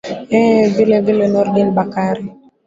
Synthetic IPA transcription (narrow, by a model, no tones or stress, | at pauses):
ɛvilevilenɔrɡɪnbakaɾi